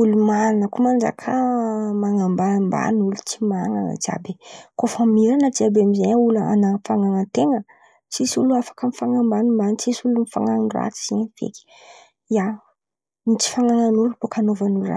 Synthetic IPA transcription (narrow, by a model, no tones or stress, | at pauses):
ulumanəkumand͡ʒa̰kʰamaŋambamba̰nulut͡simaŋanə̰d͡ʒia̰bekofamiɾanət͡siabeamizeɲulaa̰nafaŋaŋət̪eŋə | t͡sisuluafḁkəmifaŋambanimbanit͡sisulunifaŋanra̰t͡si̥z̥iɲəfḛki̥ | ia | mit͡si̥faŋaŋanuɾubokʰanovanulra̰